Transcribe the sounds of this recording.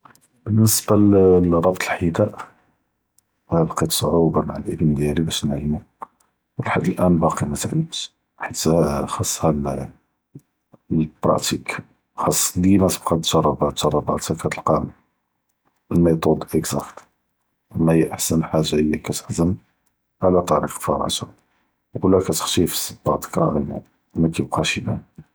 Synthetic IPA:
bənːəsbarˤɑbt̪ʰˤəlħid̪æʔ | hæbqit̪sˤʕubɑmaʕalʔəbənd̪jælibæʃnəʕlːmu | wəlħad̪ːəlʔænbɑqimæt̪ʕib | ħit̪xɑsˤːhæl | bɾˤɑ̰t̪ik | xɑsˤːlimæsə̥bqɑt̪ʒ̥ɑrˤɑbæt̪ʒɑrˤːɑba̰t̪ækæt̪əlqɑm | əlmet̪ˤod̪ʔəkzæ̰kt̪ | mæjʔaħsənħaʒːaʔəjːækæt̪ə̥ħzən | ʕalæt̪ˤɑɾḭqfɑ̰ɾ̰t̪ɑ̰ | wəlækæt̪ə̥xʃifə̥st̪ːɑt̪i̥kɑ̰in̰ | mækib̚qɑʃibæ

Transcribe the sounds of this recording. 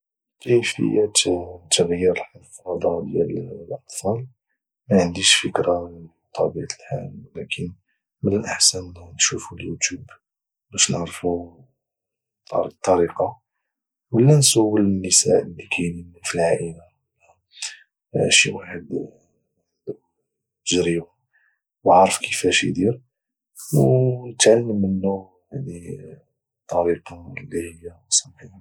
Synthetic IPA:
kəjfə̰jːæt̪t̪ːəɣjːəɾlħɑfɑd̪ˤɑd̪jællʔɑtfˤɑl | mæʕənd̪iʃfəkɾa | t̪ˤʰɑbiʕt̪əlħa̰wlækʰən | mənənʔəħsænnʃufuljut̪jub | bæʃnəʕɾfu | ɑ̰ɾt̪ˤːɑɾiqɑ | wəlːænsuwəlnːəsa̰ʔəlːikʰæjnənfilʕaʔəla | əlːæ | ʃiwaħəd̪ | əʒɾibu | baʕɾəfkʰəfæʃḭd̪iɾ | wnət̪ʕalːmənːu | ani | t̪ˤːɑɾiqɑlːihəjːawsˤɑmħi

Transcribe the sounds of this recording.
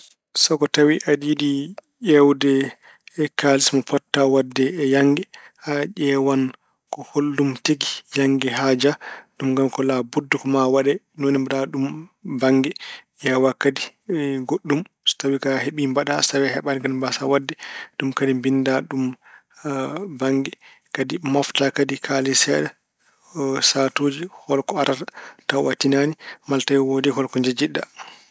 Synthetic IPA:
sɔkɔtawiʔadidiʔɛwdɛː | kalismɔpɔtːawadːɛːjaŋɡɛhaʔɛwan | kɔholːumteɡijaŋɡɛɦaːd͡ʒaɗumŋɡamkɔlabudːukɔmawaɗɛ | nonimbaɗaɗumbaŋɡɛʔawakːadiɡoɗːum | stawikaɦeɓimbaɗasawɛɦɛɓaniɡanbasawadːɛɗumkadimbindaɗum | baŋɡɛ | kadimɔftakadikʰalisɛɗɛ | satoːd͡ʒihɔlkɔaɾatatawatinanimaltajwodihɔlkɔɲd͡ʒad͡ʒiɗːa

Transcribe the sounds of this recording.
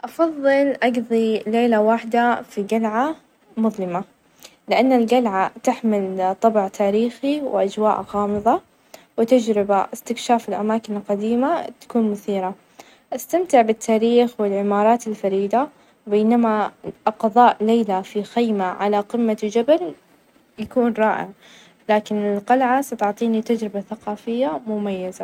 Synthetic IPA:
ʔɑfɑðˤːɨlʔɑɡðˤileːlawaħd̪afiɡalʕa | mʊðˤlɪma | lɪʔanːalɡalʕat̪ɪħmɪlt̪ˤɑbʕt̪ʰaːɾiːxiwɪ̰ʔad͡ʒwaːʔɣɑːmɨðˤɑ | wɪt̪ad͡ʒɾɪbaʔɪst̪ɪkʃaːfɪlʔamaːkɪnɪlqad̪iːmat̪ḁkuːnmʊθiːɾa | ʔast̪amt̪ɪʕbɪt̪ʰːaːɾiːxwɪlʕɪmɑːɾˤɑːt̪ɪlfaɾiːd̪a | beːnamaʔɑqðˤɑːʔleːlafixajmaʕalaqɪmːad͡ʒabal | jakuːnɾˤɑːʔɪ̰ʕ | laːkɪnɪlqɑlʕasɑt̪ʊʕt̪ˤiːnit̪ad͡ʒɾɪbaθaqɑːfɪjːamʊmajːaza

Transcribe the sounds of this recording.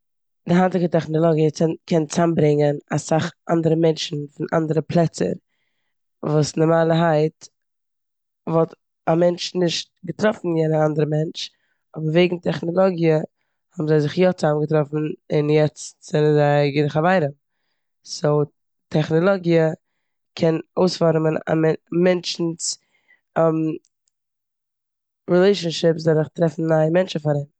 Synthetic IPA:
d̥ɪɦantɪkətɛχnɔlˠɔɡiəkʰɛnt͡sambɾɪŋənasaχʔandəɾəmɛnʃn̩fɪnʔa̰ndəɾəpʰlˠɛt͡sə̰ɾ | vuːsnəmaːlˠəɦaɪt | vɔlˠt | amɛnt͡ʃnɪʃt̚ɡətɾɔfn̩jɛnəandəɾəmɛnt͡ʃ | ɔbəɾveɪɡŋ̩tʰɛχnɔlˠɔɡiə | hɔbm̩zaɪzɪχjɔt͡samɡətɾɔfn̩ɪnjɛt͡stz̥ɛnənzaɪɡɪdɪχavaɪɾəm | so | tʰɛχnɔlˠɔɡiə | kʰɛnoʊsfɔɾməna̰mɛmɛnt͡ʃn̩s | m | ɾilˠeɪʃənʃɪpsdɔɾɪχtɾɛfn̩naɪmɛnt͡ʃəfaɾɪm

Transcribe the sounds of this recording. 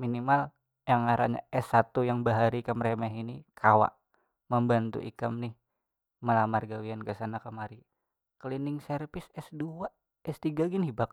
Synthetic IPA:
minimal | jaŋaɾa̰ɲa̰ʔɛsːat̪ujaŋbaɦaɾikəmɾemɛɦinikʰawa̰ʔ | məmbant̪ṵʔḭkamnɪh | məlamarɡawiankəsanakəmaɾi | kəlinɪŋsɛrpɪsɛsdua | ɛst̪iɡaɡinhibak̚

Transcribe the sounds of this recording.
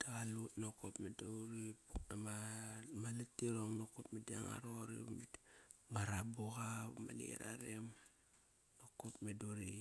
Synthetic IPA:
taɣalutnokopmedauɾiputamamalatːiɾoŋnokop̚media̰ŋa̰ɾoɾḭ | maɾaboɣama̰lḭɾa̰ɾem | nokopmedoɾi

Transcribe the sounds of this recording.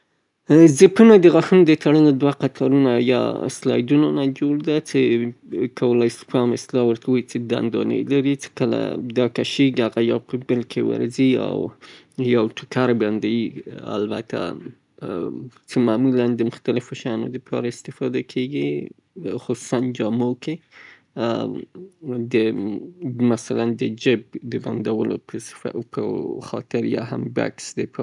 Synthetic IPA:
zɪpunad̪əɣaxunod̪ət̪ʰaɽəlod̪waqat̪ʰɑɾunajɑ̰ɪ̰slɑ̰jd̪unanad͡ʒoɽd̪at͡sekʰawəlajsfɑmɪslɑwəɾkawəjt͡sed̪a̰nd̪ɑ̰nə̰jlaɾit͡se̥kəla̰d̪ɑkaʃeɡiaɣajawpəbəlkʰewə̰ɾzia̰w | jawʈʰʊkaɾband̪ajia̰lba̰t̪ʰa̰ | t͡ʃemamuland̪əmʊxt̪alɪfoʃaɑnod̪əpʰɑ̰ɾaɪst̪ɪfɑd̪akʰeɡi | xʊsu̥sand͡ʒɑmoke | d̪ə | masaland̪əd͡ʒɪb̚d̪əband̪awəlo̰̥pəxɑ̰t̪ɪɾjɑ̰ɦamba̰ksd̪ep

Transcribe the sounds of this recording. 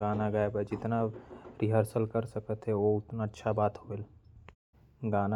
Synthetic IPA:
aːnaɡaːbɛd͡ʒɪt̪naɾɪɦəɾsəlkəɾsɐkət̪ɦɛoʊt̪naətːʃʰabaːt̪ɦoːl | ɡaːna

